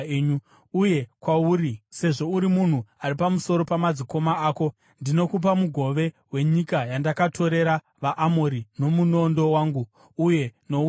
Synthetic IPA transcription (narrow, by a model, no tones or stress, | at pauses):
u | uje̞kwauɾise̞ʐo̞uɾimun̤uaɾipamuso̞ɾo̞pamad͡ziko̞maaːko̞ | ndino̞kup̬amuɡʱo̞ʋe̞ | we̞ɲikajandakatʰo̞ɾe̞ɾa | ʋaʔːmoɾino̞muno̞ndo̞waːŋɡuː | je̞no̞u